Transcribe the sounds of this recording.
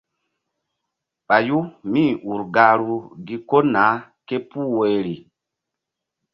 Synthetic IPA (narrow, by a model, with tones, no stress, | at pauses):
ɓa˨ju˦mi˦˨u˨ɾɡa˨ɾu˨ɡi˦ko˦naː˨˦ke˦pu˦we˨ɾi˨